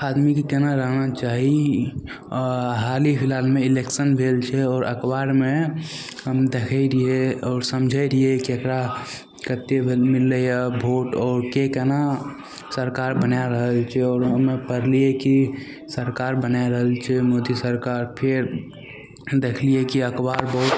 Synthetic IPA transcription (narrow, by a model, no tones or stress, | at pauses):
ad̪mikekɛnaɾəɦnat͡ʃaɦi | ɦalipʰilaːlmeileksənbʱelt͡ʃʰɛɔːɾʔə̰kbaɾme | əmd̪ekʰəiɾieɔːɾsəmd͡ʒʱəɾiekiəkɾa | kət̪ebʱmilːəjabʱoʈɔːɾkekɛna | səɾkaɾbənaɾəɦəlt͡ʃʰɛɔːɾɦəmepəɾlieki | səɾkaɾbənaɾəɦəlt͡ʃʰɛmod̪isəɾkaɾpʰeɾ | d̪ekʰliekiəkbaɾbəɦut̪